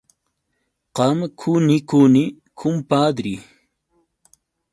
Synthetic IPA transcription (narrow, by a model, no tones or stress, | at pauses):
qamkʰunikuni | kʰumpaːd̪ɾi